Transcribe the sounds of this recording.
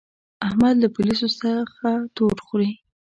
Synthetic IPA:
ahmad̪lapʊlisosəxat̪oɾxɾi

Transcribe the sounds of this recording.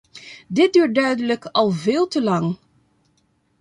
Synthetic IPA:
dɪt̚dyːɹt̚dœɥdələkɑlˠvɪːlˠtəlɑŋ

